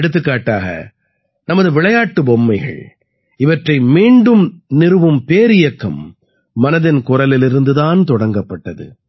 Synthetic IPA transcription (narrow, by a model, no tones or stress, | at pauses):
ɽɯt̪̬ːɯkːaːʈːaːɣɐ̰ | nɐmɐðɯʋɪɭɐjaːʈːɯbɔmːɐɪɣɐ̰ɭ | ɪʋɐʈrɐɪmiːɳɖɯmnɪɾɯʋɯmpeːɾɪjɐkːɐmː | ɐnɐðɪnkʊɾɐlɪlɪɾɯnd̪ɯðaːnt̪ɔɽɐŋɡɐpːɐʈːɐðɯ̰